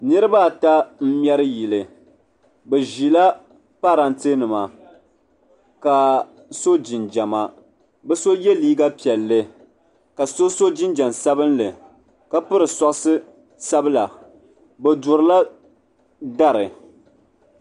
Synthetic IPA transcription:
nɨ˦ɾɨ˦ba˦˨ta˦m̩˦m˦ɛ˦ɾɨ˦ji˨lɨ˨ | bɛ˨ʒi˨la˦ | pa˦ɾa˦ntɨ˦nɨ˨ma˨ | ka˨ | so˦d͡ʒɪ˨nd͡ʒa˨ma˦ | bɛ˦so˦jɛ˦liː˦ɡa˦pi˨ɛ˨lːɨ˦ | ka˨so˦so˦d͡ʒɪ˦nd͡ʒa˨msa˦bɨ˦nlɨ˨ | ka˦pɨ˦ɾɨ˨sɔ˦ʔsɨ˦ | sa˦bɨ˦la˨ | bɛ˨dʊ˨ɾɨ˨la˦ | da˦ɾɨ˨

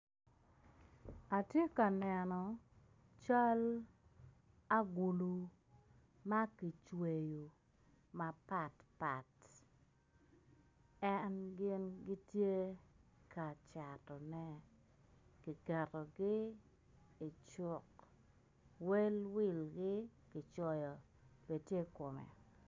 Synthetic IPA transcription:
a˨tje˦ka˨nɛ˨nɔ˨ | t͡ʃa˦l | a˦ɡu˨lu˨ | ma˦ki˨t͡ʃwe˨ju˨ | ma˨pa˨tpa˨t | ɛnɡɪ˦nɡɪ˦tje˦ka˨t͡ʃa˨tɔ˨nɛ˦ | ki˨kɛ˨ɾɔ˨ɡɪ˦ | ɪ˨t͡ʃʊ˨k | we˦lwɪ˦lɡɪ˦kɪ˨t͡ʃɔ˦jɔ˨ | b̥e˨tje˦kʊ˨mɛ̰˨

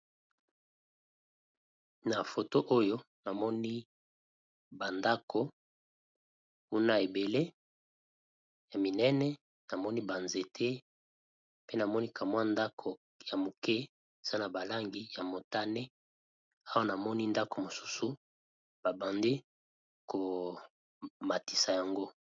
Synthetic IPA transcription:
na˨fo˨to˦ʔo˦jo˦ | na˨mɔ˦ni˦ | ba˨nda˦kʰo˦ | ku˦na˦e˨be˨le˦ | ja˨mi˨nɛ˦nɛ˦ | na˨mɔ˦ni˦ba˨nze˨tʰe˦ | pe˦na˨mɔ˦ni˦kʰa˨mwa˦nda˦kʰo˨ | ja˨mo˨kɛ˦ | e˨z̥a˦na˨ba˨la˦ŋɡi˦ja˨mo˨ta˦ne˦ | a˦wa˦na˨mɔ˦ni˦nda˦ko˨mo˨su̥˦su˨ | b̥a˨bã˨ndi˦ | ko˨ | ma˨ti˨sa˨ja˨ŋɡo˦

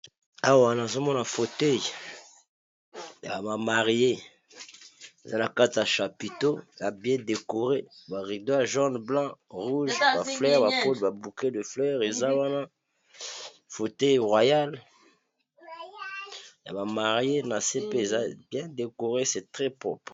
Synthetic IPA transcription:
a˨wa˨na˨zo˦mɔ˦na˨fo˨tɛ˦j | ja̰˨ma˨ma˨ʁje˦ | e˨za˦na˨ka˦ti˨ja˨ʃa˨pi˨to˦ja˨bjɛ̃˦de˨ko˨ʁe˦ba˨ʁi˨do˦ja˨ʒɑ̃˦dblɑ̃˦ʁu˦ʒba˨flɛ˦ʁba˨po˦lba˨bu˨ke˦də˨flɛ˦ʁe˨za˦wa˦na˦ | fo˨tɛ˦jʁwa˨ja˦l | ja̰˨ba˨ma˨ʁje˦na˨se˦pe˦e˨za˦bjɛ̃˦de˨ko˨ʁe˦sɛ˨tʁɛ˦pʁɔ̰˦pʁ

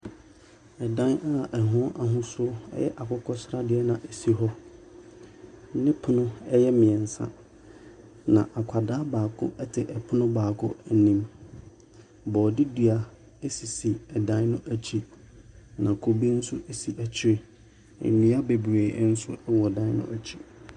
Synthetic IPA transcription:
ɛ˨dã˦na˦ɛ˨ɦʊ̃˦a˨ɦʊ̃˦sʊ˦ɛ̰˦jɛ̰˦ʔa˨kʰʊ˦kʰɔ˦sɾa˦dɪ˦ɛ˦nã˨ʔæ˨si˦ɦɔ˦ | m̩˦nɪ̃˦pʰʊ˦nʊ̃˦ɛ˦jɛ˦mɪ̃˨ɛ̃˨n̩˨sã̰˦˨ | nã̰˨ʔa˨kʷʰa˨daː˦baː˨kʰʊ̰˦ɛ˦tʰɪ˨ʔɛ˨pʰʊ˦nʊ̃˦baː˨kʰʊ̰˦æ˦nĩ˦m | bɔː˨dɪ˦dɥa˨ | e˦si˨si˨ɛ˨dã˦nnʊ̃˦ʔæ˦t͡ɕʰi˦ | nã˨kʰo˨bi˦n̩˦sʊ˦e˦si˨ʔæ˨t͡ɕʰɪ˦ɾe˨ | ɛ̰˨nĩ˨˦a˦be˨bu˨eː˨˦n̩˦sʊ̰˦ɛ˦wɔ˨dã˦n˦nʊ̰̃˦ʔæ˨t͡ɕʰi̥˦

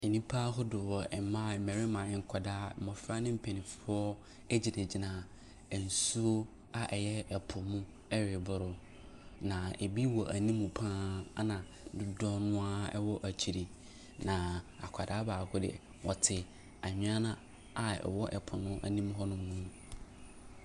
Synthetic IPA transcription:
e˨nĩ˦pʰa˦ɦʊ˦dʊ˨wɔ˨ɛ˨mã˦˨mɛ̃˨ɾɪ˦mã˨ɛ˨ŋ̩˨kʷʰa˨daː˦˨mɔ̃˨fɾa˦nɪ̃˦m̩˦pʰɛ˨nĩ˨fʊ˦ɔ˦ | ɛ˦d͡ʑi˨nɪ̃˨d͡ʑi˨nãː˨ | ɛ˨n̩˨su˦o˦ | a˨ʔɛ˨jɛ˦ɛ˨pʰʊ˨mũ˦ | ɛ˦ɾɪ˨bʊ˨ɾʊ˦ | nã˨e˨bi˦wɔ˨ʔa˨nĩ˦mũ˨pʰãː˦nã˨˦ | dʊ˦dɔ˦nʊ̃˦a˦ɛ̰˦wɔ˦ʔa˨t͡ɕʰi˨ɾi˨ | nã˨a̰˨kʷʰa˨daː˨˦baː˨kʰʊ˦dɪ̰˨ | wʔɔ˨tʰɪ˨ | a˨ɲᶣ˦a˦nã˦ | a˨ɛ̰˨wɔ˦ʔɛ̰˨pʰʊ˨nʊ̃˦ʔa̰˨nĩ˦m˦ɦɔ˦nʊ̃˦nũ˦

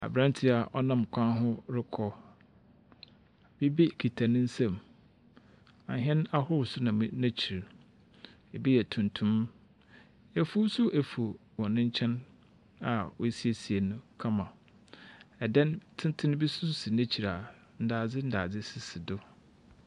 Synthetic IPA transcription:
a̰˨bɾã˦n˦tʰɪ˦a˨ʔɔ˦nã˦m˨kʷʰã˦ɦʊ̃˦ɾɪ˦kʰɔ˦ | bi˦bi˦kʰi˨tʰa˨nɪ̃˦n̩˦sɛ̃˨m | a̰˨ɦɛ̃˦na˦hʊ˦wsʊ˦nã˨m˦nã˦t͡ɕʰi˨ɾ | ɛ˨bi˦jɛ˨tʰũ˨ntʰũ˦m | ɛ˨fu˦sʊ˦ʔe˨fu˨wɔ̃˨nɪ̃˦ɲ̩˦t͡ɕʰɛ̃˦n | a˨wɔ˦si˦e˨si˨e˨nʊ̃˦kʰã˦mã˨ | ɛ˨dɛ˦ntʰɪ̃˦ntʰɪ˦ñ˦bi˦sʊ˦ssɪ˨nɛ̃˦t͡ɕʰi˨ɾa˨ | n̩˨daː˨d͡zɪ˦n̩˦daː˨d͡zɪ˦sɪ˨sɪ˨dʊ˦

